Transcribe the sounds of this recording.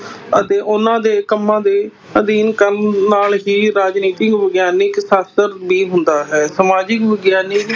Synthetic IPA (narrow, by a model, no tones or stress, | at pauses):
ət̪eːʔʊnãːd̪eːkəmːãːd̪eː | əd̪iːnkəlnaːlɦiːɾaːd͡ʒniːt̪ɪkʋəɡjaːnɪksaːst̪əɾbiːɦʊnd̪aːɦɛːsəmaːd͡ʒɪkʋəɡjaːnɪk